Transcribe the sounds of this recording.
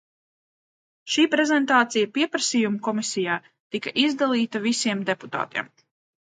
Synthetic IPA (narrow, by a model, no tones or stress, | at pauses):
ʃiːpɾɛzɛnt̪aːt̪sijɐpiɛpɾɐsijumukɔmisijaː | t̪ikɐʔizd̪alˠiːt̪ɐvisiɛmd̪e̞pu̥t̪a̰ːt̪ḭɛm